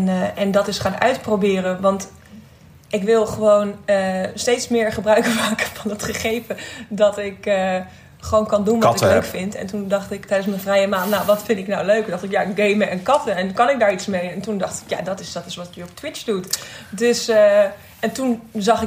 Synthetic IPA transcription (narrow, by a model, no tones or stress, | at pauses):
nɛndɔtɪsχaːnœ̰ɥtprowbɪːrənʋɑnt | ʔɪkʋɪlˠχəʋownəstejtsmɪːɹχəbrœɥkəmaːkəfɑnətχəχejvədɑtɪkə | χəʋownkɑndunʋtɪlløɥkfɪntɛ̰ntundɑχtɪktɛjdənsmənvrɛjəmaːnnawʋɑtfɪntɪknawløɥkdɑχtɪkjaɪɡɡejməənkɑtəɛnkɑnɪk̚daːɹitsmejɛntundɑχtɪ̥kja̰dɔtɪsd̥ɔtɪsʋɑtkyɔp̚tʋɪt͡ʃdutdøs | ɛntunzɑχɪ